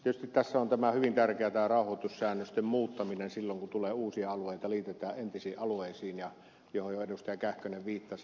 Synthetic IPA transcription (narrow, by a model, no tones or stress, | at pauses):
t̪iet̪yst̪it̪tæsːæont̪æmæhyʋint̪ærkeæt̪æːrɑˑouhot̪ussæːnːøst̪emmuːt̪ːɑminensilːoŋkut̪uleːuːsiɑɑluˑeˑit̪ɑliːt̪et̪ˑæːʔʔent̪isiːʔʔɑlueˑisiːnjɑ | johojjoenust̪ɑjɑkæhkøneʋʋiːt̪ːɑs